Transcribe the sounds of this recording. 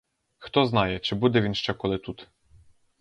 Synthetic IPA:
xt̪ɔznɑjɛt͡ʃɪbud̪ɛʋʲinʃt͡ʃɛkɔlˠɪt̪ut̪

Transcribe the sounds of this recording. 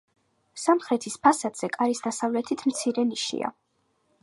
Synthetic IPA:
samχɾɛt̪ʰispʰasad̪z̥ɛkʼaɾisd̪asavlɛt̪ʰit̪ʰmt̪sʰiɾɛniʃḭa̰

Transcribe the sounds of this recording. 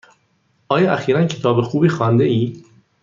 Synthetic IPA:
ʔɒːjɒːʔæxiːɾæncʰe̞t̪ʰɒːbexuːbiːxɒːnd̪eiː

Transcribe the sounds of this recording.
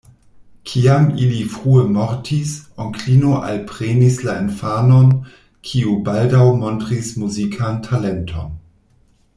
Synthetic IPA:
kʰiamilifʁuəmɔɾtʰisoŋklinoʔa̰lpɾenislaenfanon | kʰiubaldawmontɾismuzikʰantʰalentʰo̰n

